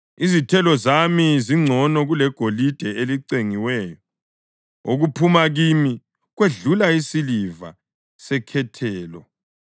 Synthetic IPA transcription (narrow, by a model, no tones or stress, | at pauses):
izitʰɛlɔzamiziŋ͡ǀʱɔnɔɣulɛɡ̥ʱolid̥ʱɛeliǀeŋiwɛːjɔ | oɣupʰumaɣimi | ɣweɮulaisiliva̰ | sɛkʰɛtʰɛːlɔ